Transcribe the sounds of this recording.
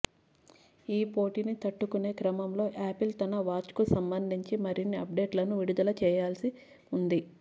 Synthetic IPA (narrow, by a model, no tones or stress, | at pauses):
iːpo̞ːʈinit̪ɐʈːukune̞ːkɾɐmɐmlo̞ːʔaːpilt̪ɐnɐʋaːt͡ʃkusɐmbɐnd̪ʱiɲt͡ʃimɐɾinːiɐp̚ɖe̞ːʈlɐnuʋiɽud̪ɐlɐt͡ʃɛːjaːlsi | und̪i